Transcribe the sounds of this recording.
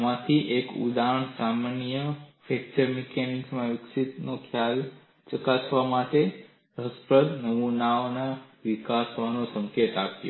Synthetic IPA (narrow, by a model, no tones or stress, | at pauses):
mãt̪ʰiʔekṵd̪aɦəɳsamanijəfʰɛk̚t͡ʃəɾmekeniŋɡsmãʋɪksit̪nokʰjal | t͡ʃəkasʋamaʈe | ɾəspɾəd̪nəmunaonaʋikasʋanõsə̃ŋket̪apjo̰